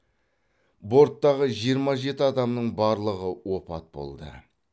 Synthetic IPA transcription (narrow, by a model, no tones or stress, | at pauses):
bo̞ɾt̪ːɑʁəʒijəɾmɑʒe̞t̪ɪɑd̪ɑmnəɴbɑɾlˠəʁəwo̞pɑ̰t̪̚bo̰lˠd̪ə̰